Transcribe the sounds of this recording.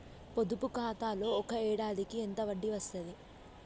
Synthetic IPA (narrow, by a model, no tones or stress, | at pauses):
pod̪upukaːt̪aːlo̞ːɔkɐɛːɽaːd̪ikient̪ɐʋɐɖːiʋɐst̪ɐd̪i